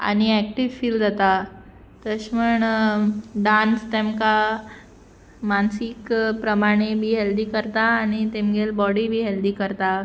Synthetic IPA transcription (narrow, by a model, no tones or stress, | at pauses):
a̰ɽ̃iɛk̚ʈiʋfiːld͡zat̪a | t̪əɕməɳ | ɖãnst̪emka | mansikpɾəmaɽ̃ebʱiːɦeld̪iːkəɾt̪aːɽ̃it̪emɡelbɔɽibʱiːɦeld̪iːkəɾt̪a